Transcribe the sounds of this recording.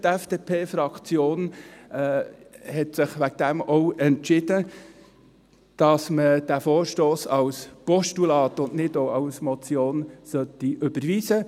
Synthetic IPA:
t̪ɛfd̥epʰeːfɾɑkt͡sjoːn | hɛtsɪχʋæɡ̚d̥̪æmɔʊɛntt͡ʃɪd̥ə | d̥ɑsməd̥æfoːɾʃtoːsɑwspɔʃtulɑːt̪ʊndnɪdoɑwsmɔt͡sjoːnsœt̪ːiʔʏbəɾʋiːsə

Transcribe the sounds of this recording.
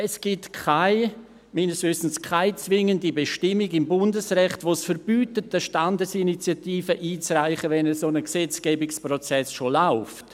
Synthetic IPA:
ɛsɡ̥itkʰaɪ | minəsvɪstn̩skʰaɪt͡svɪŋəndibeʃtɪmiɡɪmbʊndəsrɛχtʋosfəɾb̥yːtətəʃtandəsinit͡sjatiːfəʔiːt͡sraɪχəvɛnɛsonəksɛt͡sɡ̥ɛːbɪksprɔt͡sɛsʃolaʊft

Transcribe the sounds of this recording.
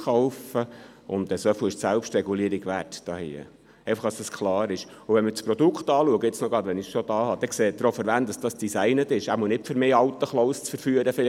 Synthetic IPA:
χɔʊfəʊ̰nd̪ɛsœfəɪʃsælpʃtɾɛɡuliːəɾɪɡʋætd̥ɑːhḭə̰ | ɛɪfəχɑsd̥ɑskʰlɑːɾɪʃʊʋɛnmət͡spɾɔd̥̪ʊkχt̪ɑːluəɡəɪt͡snɔɡɾɑdʋɛnɪʃod̥̪ɑːhɑd̥ɛkseːt̚d̪ɾofəɾʋænt̚d̥ɑsd̥ɑsd̥isɛɪnətɪʃæmunɪpfəɾmɪːɑwt̪əχlɔʊst͡sfəɾfyːəɾəfɪlɪ

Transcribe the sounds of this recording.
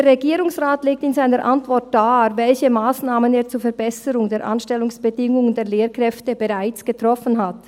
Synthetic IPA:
eːɾʁeɛɡiːʁʊŋsʁaːtleːk̚tɪnzaɪnəɾʔantvɔʁt̚d̥aːvɛlçəmaːsnaːməneːɐt͡suːɐfɛɐbɛsəʁʊŋdeːɐɾʔa̰nʃtɛlʊŋsb̥ədɪŋʊŋəndeːɐleːɾkʁ̥ɛftəbəʁaɪt͡sɡ̥ətʁ̥ɔfənɦat

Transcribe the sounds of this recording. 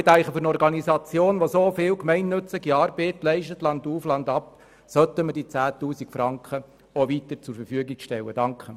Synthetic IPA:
tæɪχəføɾnɔɾɡɑnisɑt͡sjoːnʋosoːfɪːwkmɛɪnːɵt͡slɪɡiɑːɾbɛːtlɛɪʃtət̪lɑnduːflɑnd̪ɑp | sœt̪əməd̥it͡sæːtuːsikfɾɑŋkχə | oʋitəɾt͡sʊɾfəɾfyəɡiɡʃtɛwəd̥ɑŋkχə

